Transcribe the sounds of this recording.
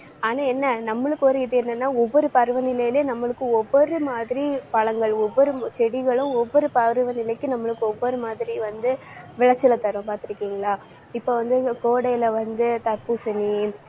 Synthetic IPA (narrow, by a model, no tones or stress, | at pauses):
aːnaːɛnːɐnɐmːɐɭɯkːɯɔɾɯɪðɯɛnːɐnːaːɔʋːɔɾɯpɐɾɯʋɐnɪlɐjɪleːnɐmːɐɭɯkːɯɔʋːɔɾɯmaːðɪɾipɐɭɐŋɡɐɭɔʋːɔɾɯt͡ʃɛɽɪɣɐɭɯ̃ɔʋːɔɾɯpɐɾɯʋɐnɪlɐɪkːɯnɐmːɐɭɯkːɯɔʋːɔɾɯmaːðɪɾiʋɐnd̪ɯ | ʋɪɭɐt͡ʃːɪlɐt̪ːɐɾɐ̃paːɾt̪ɪɾɯkːiːŋɡɐɭaː | ɪpːoːʋɐnd̪ɯkoːɽɐɪɪlɐʋɐnd̪ɯt̪ɐpːɯsɛnːi